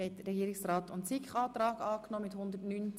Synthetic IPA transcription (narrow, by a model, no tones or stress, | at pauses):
ɛtːəɾɛɡiːɾɪksraːt̪ʊntsikχɑːt̪ɾɑːkɑːknɔːmɪthʊnd̪ətnyːn